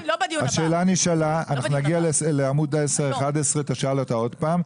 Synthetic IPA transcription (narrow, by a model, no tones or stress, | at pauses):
haʃeːlaniʃalaa̰naχnunaɡialesleamud̪aesaeχad̪esʁet̪aʃalot̪ao̞d̪paːm